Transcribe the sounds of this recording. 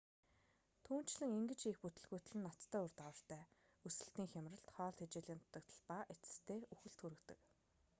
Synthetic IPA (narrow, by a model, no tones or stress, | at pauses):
t̪ʰuːn̥t͡ɕɮɘ̆ŋiŋɡɘ̆t͡ɕixput̪ɘ̆ɮɣujʰt̪ɵ̆ɮɘ̆nːɔt͡st̪ʰœːɵrt̪awə̆r̥t̪ʰæː | usɘ̆ɬt̪iːŋxʲamrə̆ɬt̪χɔːɮʰet͡ɕeːɮiːnt̪ʰʊ̥t̪ːə̆k̚t̪ə̆ɮpaʔet͡sɘ̥̆st̪ʰeːuxɘ̆ɬt̪xuɾɘ̆t̪ɘ̆k